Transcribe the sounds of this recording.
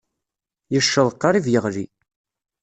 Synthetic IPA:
jəʃːəðˤqːɑɾˤivjəʁlḭ

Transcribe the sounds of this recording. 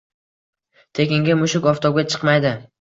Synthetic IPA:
t̪ʰe̞kʲɪŋɡʲɪmʊʃɪkʲɒft̪ʰɒwɡʲat͡ʃʰɨ̥qmajd̪ɪ

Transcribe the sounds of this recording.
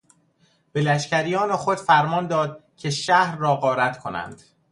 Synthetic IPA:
b̥e̞læʃcæɾijɒːnexo̞d̪̥fæɾmɒːnd̪ɒːd̪̚cʰe̞ʃæhɾːɒːɣɒːɾæt̪kʰo̞næ̰nd̪̥

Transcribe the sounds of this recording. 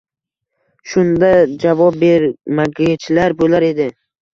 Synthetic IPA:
ʃʊnd̪ad͡ʒavɒp̚be̞ɾmaɡʲat͡ʃʰɪlaɾbolaɾe̞d̪ɪ

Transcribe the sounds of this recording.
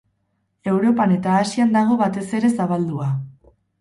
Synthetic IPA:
e̞wɾo̞pane̞t̪aːsiand̪aɣ̞o̞βat̪e̞se̞ɾe̞saβald̪ua

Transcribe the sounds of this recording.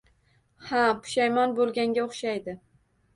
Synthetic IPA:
hapʰʊ̥ʃajmɒnbolˠɡʲaŋɡʲaoχʃajd̪ɪ

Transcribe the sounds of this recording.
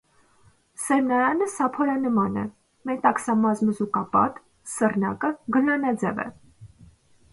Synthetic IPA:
sɛɾnɑjɑnəsɑpʰɔɾɑnəmɑnɛ̰ | mɛt̪ɑksɑmɑzməzukɑpɑ̰t̪ | sərnɑkəɡəlɑnɑd͡zɛ̰vɛ̰

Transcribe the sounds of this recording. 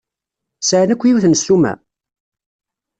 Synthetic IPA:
səʕnækʷːjiwθnəslumæ̰

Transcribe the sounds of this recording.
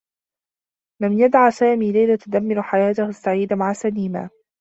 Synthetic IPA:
lamjad̪ʕasaːmiːlajlat̪ʊd̪amːɪɾħajaːt̪ahst̪ːaʕiːd̪maʕasaniːma̰ː

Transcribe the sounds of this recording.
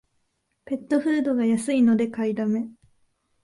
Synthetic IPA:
pe̞t̪ːo̞ɸɯ̟ːd̪o̞ɡajasɨino̞d̪e̞kaid̪ame̞

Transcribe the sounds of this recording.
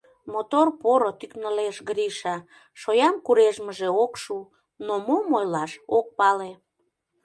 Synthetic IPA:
mot̪orpoɾot̪yknəleʃɣɾiʃɑ | ʃojɑmkuɾeʒməʒeokʃu | nomomojlɑʃok̚pɑle

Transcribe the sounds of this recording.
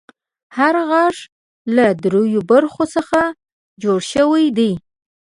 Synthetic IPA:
haɾɣɑʐ | lad̪ɾojobaɾxosəxa | d͡ʒoɽʃəwajd̪e

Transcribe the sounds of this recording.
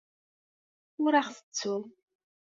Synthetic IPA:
ʊɾaχθə̥t͡sːum

